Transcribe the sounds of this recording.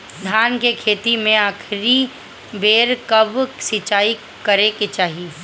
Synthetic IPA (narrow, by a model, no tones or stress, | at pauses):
d̪ʱaːnkekʰeːt̪imẽaːkʰɾi | beːɾkəbsɪt͡ʃaːi | kəɾeket͡ʃaːɦi